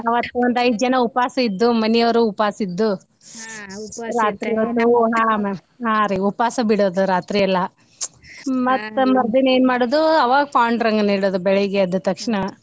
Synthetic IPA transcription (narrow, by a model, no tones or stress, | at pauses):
ɐʋɐt̪ːʋɐnd̪ɐjd̪d͡ʒɐnɐupaːsɐid̪ːumɐnijɐʋɐɾuːpaːsid̪ːu | uɾaːt̪ɾiɐd̪uɦaːm | ɦaːɾiupaːsɐbiɽoːd̪uɾaːt̪ɾijɐlːɐ | mɐt̪ːmɐɾd̪ineːnmaːɽoːd̪uɐʋaːɡɐpaːɳɖɐɾɐŋɡɐniːɽoːd̪ubɛɭɐɡeɐd̪ːut̪ɐkʂɳɐ